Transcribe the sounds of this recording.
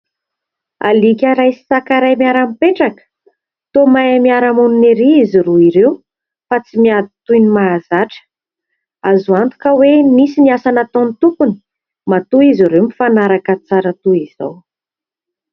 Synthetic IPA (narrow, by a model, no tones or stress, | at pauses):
a̰likʲaɾajsi̥sakaɾajmiaɾamipeʈ͡ʂakə̥ | t̪omajamiaɾamununeɾiiziɾuiɾew | fat͡simiad̪it̪ujnimaːzaʈ͡ʂə̥ | azuant̪u̥kəwemisiniasanat̪onit̪ukuni̥ | mat̪uiziɾemifanaɾakət͡saɾət̪uiz̥a̰w